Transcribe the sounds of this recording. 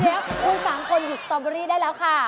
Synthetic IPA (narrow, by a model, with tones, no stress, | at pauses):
t̪ʰe˦˥p̚ːuː˧nsaː˩˦ŋkʰo˧nju˨˩t̪̚sɔː˧bɔ˧ɾiː˥˩daː˥˩jlɛː˦˥wkʰa˥˩